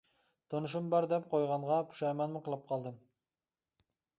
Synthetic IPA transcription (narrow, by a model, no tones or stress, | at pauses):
t̪ʰonuʃ̬umbɑɾd̪ɛp̚qʰojʁɑɴʁɑpʰu̥ʃɛmɛnmɪqəlˠɑp̚qʰɑlˠd̪ɨm